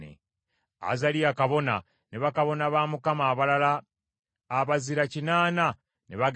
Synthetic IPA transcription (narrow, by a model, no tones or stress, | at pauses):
ḛ | a̰zalijakaβo̞na | neβakaβo̞naβaːmukamaːβalalaː | βaziɾacinaːna | neβaɡ